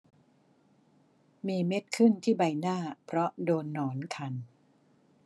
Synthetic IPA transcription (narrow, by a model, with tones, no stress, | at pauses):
miː˧me˦˥t̪̚kʰɯ˥˩nt̪ʰiː˥˩ba˧jnaː˥˩pʰɾɔ˦˥doː˧nːɔː˩˦nkʰa˧n